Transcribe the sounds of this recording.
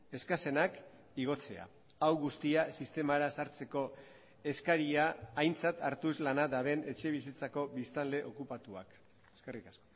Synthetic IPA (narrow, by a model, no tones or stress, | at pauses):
e̞skase̞nak | iɣ̞o̞t͡se̞̰a̰ | awɣust̪iasist̪e̞maɾasaɾt͡se̞ko̞ | e̞skaɾiaːjnt͡sat̪aɾt̪uslanaðaβe̞ne̞t͡ʃe̞β̞isit͡sako̞βist̪anle̞ʔokupat̪ua̰k | e̥ske̞rikasko